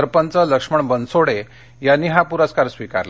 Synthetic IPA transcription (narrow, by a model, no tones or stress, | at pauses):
əɾpənt͡sələkʂməɳbənsoɽe | janːiːɦapuɾaskaɾsʋika̰ɾla